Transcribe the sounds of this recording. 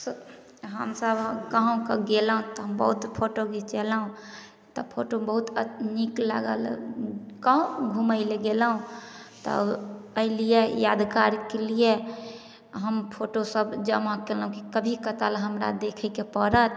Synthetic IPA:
s | ɦə̰msəbkaɦũkəɡeləɦũt̪ɔɦəmbə̰ɦut̪pʰoʈoɡit͡ʃɛlɦũ | t̪ɔpʰoʈobəɦut̪ənikla̰ɡə̰l | kaũɡʱuməɪleɡeləɦũt̪ə̰əilijejad̪kaɾkelie | ɦəmpʰoʈosəbd͡ʒəmakelɦũkikəbʱikət̪alɦəmɾa̰d̪ekʰəkepəɾət̪

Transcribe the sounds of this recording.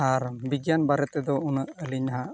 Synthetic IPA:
aɾbiɡjanbaɾɛt̪ɛd̪ɔunəʔəliɲaɦaʔ

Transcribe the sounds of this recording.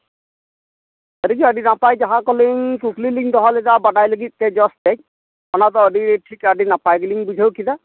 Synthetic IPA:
əɾiɡiadinapajd͡ʒaɦakɔliŋkukʰliliŋdɔɦɔlɛtabadajləɡit̪̚kɛd͡ʒɔsɛ | ɔnat̪ɔədiʈʰikadinapajɡliŋbud͡ʒʱawkida

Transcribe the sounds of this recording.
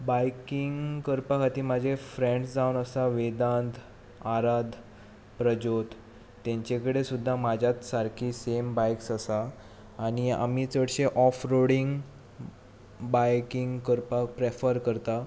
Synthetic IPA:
bajkiŋɡkəɾpakat̪iːmad͡ʑʱefɾẽɳɖsd͡zawnəsaʋed̪and̪ | aɾad̪ʱ | pɾəd͡ʑot̪ː | ãɲt͡ɕekəɽesud̪ʱːamad͡ʑʱjat̪saɾkʰiːsembajksasaː | ɽ̃ia̰miːt͡səɽɕeʔɔfɾoɽiŋɡ | bajkiŋɡkəɾpak̚pɾefəɾkəɾt̪a

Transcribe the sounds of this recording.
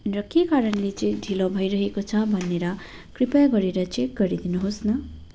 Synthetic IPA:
rʌkekaɾʌnlet͡sʌjɖʱilobʱʌjɾʌɦekot͡sʰʌbʱʌneɾʌ | kripaɡʌɾeɾʌt͡sek̚ɡʌɾid̪inuɦosnʌ

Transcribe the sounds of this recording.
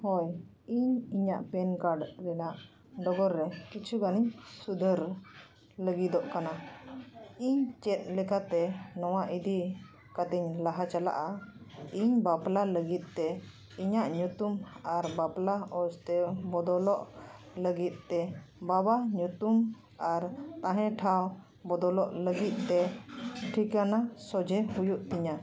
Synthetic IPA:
hɔj | iɲiɲaʔpɛnkaɖɾɛnaʔ | ɖɔɡɔɾːɛkit͡ʃʰuɡaniɲsud̪ʱəɾ | ləɡid̪ɔʔkana | iɲt͡ʃɛt̪̚lɛkat̪ɛnɔwaʔid̪i | kat̪ɛɲlaɦat͡ʃala̰ʔaiɲbaplaləɡit̪̚ˀt̪ɛ | iɲaʔɲut̪umaɾbaplaɔst̪ɛbɔd̪ɔlɔʔ | ləɡit̪̚t̪ːɛbabaɲut̪um | aɾt̪ãɦɛ̃ʈʰaw | bɔd̪ɔlɔʔləɡit̪̚t̪ɛʈʰikanasɔd͡ʒʱɛhujuʔt̪iɲa

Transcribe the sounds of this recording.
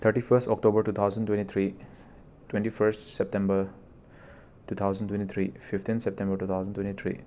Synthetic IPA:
t̪ʰəɾʈifʰəɾstɔk̚ʈobəɾʈuːt̪ʰaʊzə̃ntwẽnʈit̪ʰɾi | twẽnʈifʰəɾsʈsɛp̚ʈɛ̃mbəɾ | ʈuːt̪ʰaʊzə̃ntwẽnʈit̪ʰɾififtʰĩnsɛp̚ʈɛ̃mbəɾʈuːt̪ʰaʊzə̃ntwẽnʈit̪ʰɾḭ

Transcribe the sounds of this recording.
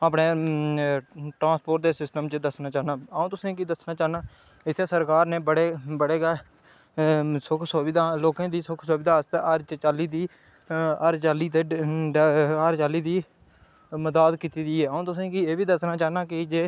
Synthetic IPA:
aːpneː | ʈɾãːspoːʈ̚d̪eːsɪsʈəmt͡ʃəd̪əsnaːt͡ʃaːɦnaːəũːt̪ʊsĩːkiːd̪əsnaːt͡ʃaːɦnaː | ɪt̪ʰːesəɾkaːɾnẽːbəɽeːbəɽeːɡaː | sʊkʰsobɪd̪aːloːkãːd̪iːsʊkʰsoːbɪd̪aːst̪eʔaːɾt͡ʃːt͡ʃaːliːd̪iː | aːɾt͡ʃaːliːt̪eː | aːɾt͡ʃaːliːd̪iː | məd̪aːd̪kiːt̪iːd̪iːeːaːũːt̪ʊsẽːkieːbiːd̪əsnaːt͡ʃaːɦnaːkɪd͡ʒeː

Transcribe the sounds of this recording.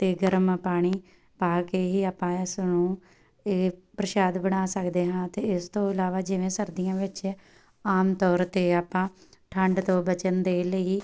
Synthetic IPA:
t̪eːɡəɾəmpaːɽ̃iː | paːkeːɦiːaːpːãːɪsnũː | eːpɾəʃaːd̪bəɽ̃aːsəkd̪eːɦãːt̪eːɪst̪õːɪlaːʋaːd͡ʒɪʋẽːsəɾd̪ijãːʋɪt͡ʃ | aːmt̪ɔːɾt̪eːaːpːãːʈʰəɳɖt̪õːbət͡ʃənd̪eːləiː

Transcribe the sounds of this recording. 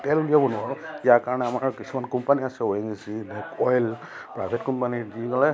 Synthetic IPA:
tɛldiabɔnʊwaɹɔijakaɹɔnɛamaɹkisumankɔmpaniasɛoɛŋisibɛkɔjl | pɹabʱetkɔmpanidiɡɔlɛ

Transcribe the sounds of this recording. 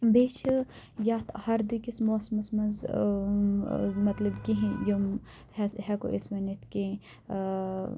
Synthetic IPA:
beːt͡ʃʰ | jaːt̪ʰhɐɾd̪ikismoːsmɐsmɐnz | mɐt̪lɐbkiɦĩjum | hɛɦɛko̰ʔisʋɐnit̪kẽ

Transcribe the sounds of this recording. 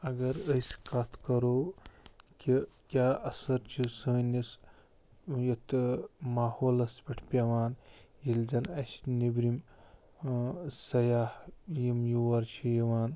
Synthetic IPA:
ɐɡɐɾəsʲkɐt̪ʰkɐɾoː | kikʲaːʔɐsɐɾt͡ʃʰisəːnis | jɐt̪maːhoːlɐspʲɐʈʰpʲɐʋaːnjilzɐnɐsnibɾim | sɐjaːhjimjuʋɐɾt͡ʃʰijiʋaːn

